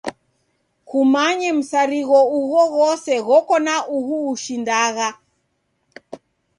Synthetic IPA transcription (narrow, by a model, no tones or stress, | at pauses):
kumaɲɛm̩saɾiɣɔuɣɔɣɔsɛɣɔkɔnaʔuɦuːʃindaɣa